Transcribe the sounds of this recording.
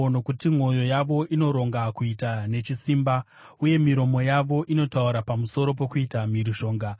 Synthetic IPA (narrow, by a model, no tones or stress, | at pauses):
no̞kutim̤o̞jo̞jaʋo̞ʔino̞ɾo̞ŋɡakuitane̞t͡ʃisimba | uje̞miɾo̞mo̞jaʋo̞ʔino̞tauɾapamuso̞ɾo̞p̬o̞kuitamiɾiʃo̞ːŋɡa